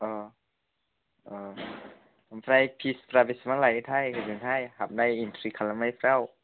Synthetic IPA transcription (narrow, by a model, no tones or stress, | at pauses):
ʔɤː | ʔɤː | fʰɾajpʰispɾabismaŋlat̪ʰajkʰazɯŋt̪ʰajhap̚dajint̪ʰɾiːkʰalamajfʰɾaw